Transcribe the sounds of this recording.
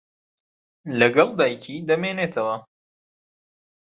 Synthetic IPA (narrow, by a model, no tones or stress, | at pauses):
lɐɡɐlˠd̪aːjcʰid̪ɐmeːneːt̪ʰɐwɐ